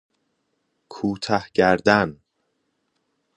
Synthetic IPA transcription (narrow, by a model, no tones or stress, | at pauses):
kʰuːt̪ʰæhɟæɾd̪æn